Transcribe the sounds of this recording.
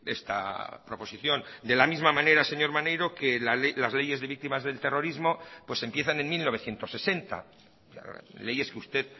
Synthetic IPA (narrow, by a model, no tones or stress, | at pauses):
ḛst̪a̰pɾo̞po̞siθjo̞nd̪e̞lamizmamãne̞ɾaseɲo̞ɾmanejɾo̞kelalazle̞je̞zðe̞βik̚t̪imazðe̞lt̪e̞ro̞ɾizmo̞pwe̞se̞mpje̞θane̞nmilnoβeθje̞nt̪o̞sːe̞se̞nt̪a̰ | a̰le̞je̞skeust̪e̞ð